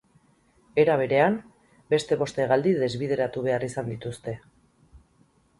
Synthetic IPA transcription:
e̞ɾaβ̞e̞ɾe̞am | be̞st̪e̞βo̞st̪eɣald̪iðe̞zβiðe̞ɾat̪uβ̞e̞arisand̪it̪ust̪e̞

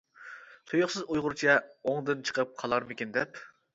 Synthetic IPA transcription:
t̪ʰojʊχsɨzujʁʊɾt͡ʃʰɛoŋd̪ɨnt͡ʃʰə̥qʰəp̚qʰɑlˠɑɾmɪkʲɪnd̪ɛp

